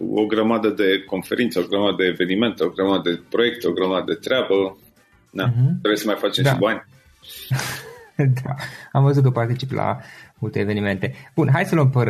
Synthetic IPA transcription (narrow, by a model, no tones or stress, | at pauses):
o̰ɡɾəmad̪əd̪e̞ko̞nfe̞ɾint̪səoɡɾəmad̪əd̪e̞ːve̞nime̞nt̪eoɡɾəmad̪əd̪epɾo̞je̞k̚t̪o̞ɡɾəmad̪əd̪e̞t̪ɾeabə | d̪aɦd̪oɾejsəmajfat͡ʃemd̪abanʲ | d̪aamvəzut̪k̬əpart̪it͡ʃipla̰mult̪e̞ːve̞nime̞nt̪e̞b̥unɦajsələmpəɾ